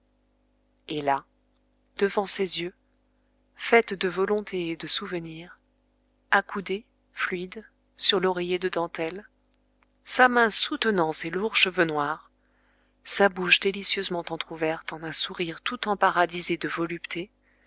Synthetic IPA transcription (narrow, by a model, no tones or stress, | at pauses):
ela | d̪̥əvɑ̃sezjø | fɛt̪d̪əvɔlɔ̃t̪ʰeed̪əsuvəniʁ | akʰud̪e | flɥid̪ | syʁlɔʁejed̪əd̪ɑ̃t̪ɛl | samɛ̃sut̪ənɑ̃seluʁʃəvønwaʁ | sabuʃd̪elisjøzmɑ̃t̪ɑ̃t̪χuvɛʁt̪ɑ̃nɛ̃suʁiʁt̪ut̪ɑ̃paʁad̪ized̪əvɔlypt̪ʰe